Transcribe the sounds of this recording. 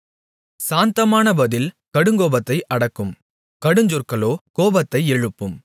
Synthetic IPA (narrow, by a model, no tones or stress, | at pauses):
saːnt̪ɐmaːnɐbɐðɪl | kɐɽɯŋɡoːbɐt̪ːɐɪʔɐɽɐkːɯm | kɐɽɯɲd͡ʒɔrkɐɭoːkoːbɐt̪ːɐɪɛɻɯpːɯm